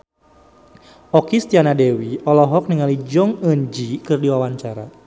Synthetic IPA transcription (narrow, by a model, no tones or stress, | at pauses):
ʔɔkist̪ianadewiɔlɔɦɔk̚niŋalid͡ʒɔŋəɲd͡ʒikɨrdiwawaɲt͡ʃaɾa̰